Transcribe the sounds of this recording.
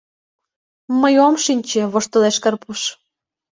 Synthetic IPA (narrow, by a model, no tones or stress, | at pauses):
məjomʃinʲt͡ɕĕβoʃt̪ə̆leʃkərpuʃ